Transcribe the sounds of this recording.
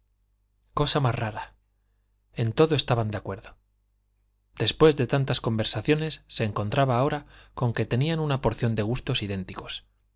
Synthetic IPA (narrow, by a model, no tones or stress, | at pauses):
ko̞samazraɾa | e̞nt̪o̞ðo̞e̞st̪aβand̪eakwe̞ɾðo̞ | d̪̥e̞spwe̞zðe̞t̪ant̪asko̞mbe̞ɾsaθjo̞ne̞sːe̞ːŋkont̪ɾaβaːo̞ɾako̞ŋke̞t̪e̞nianunapo̞ɾθjo̞nd̪e̞ɣ̞ust̪o̞siðe̞nt̪iko̞̥s